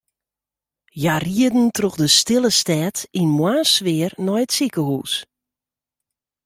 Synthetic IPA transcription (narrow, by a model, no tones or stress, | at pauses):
jariədn̩troxdəstɪlˠəstɛːtinmwaːsʋɪərnɔjətsikəhuːs